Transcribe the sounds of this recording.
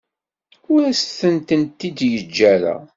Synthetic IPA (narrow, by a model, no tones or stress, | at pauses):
ʊɾæsθənt̪ənt̪ːid̪jəd͡ʒːæɾæ̰